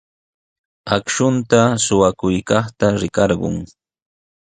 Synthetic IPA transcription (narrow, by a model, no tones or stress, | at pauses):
akʃʊnt̪asʊwakʊjkɑχt̪aɾɪkɑɾɢʊ̰ŋ